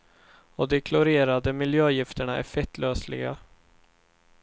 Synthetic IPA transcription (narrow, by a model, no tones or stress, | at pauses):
ɔd̪ɛkʰlʊɾeːɾad̪əmɪljøːjɪft̪əɳaʔɛ̰fɛkt̪ʰløːslɪ̰ɡa̰